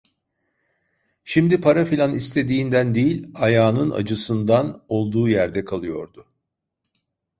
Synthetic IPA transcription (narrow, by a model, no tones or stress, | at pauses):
ʃimd̪ipʰaɾafilʲanist̪ʰe̞d̪iːnd̪ænd̪ejilʲajaːnɯna̰d͡ʒɯsɯnd̪ano̞lˠd̪uːjæɾd̪ɛkʰalˠɯjo̞̰ɾd̪ʊ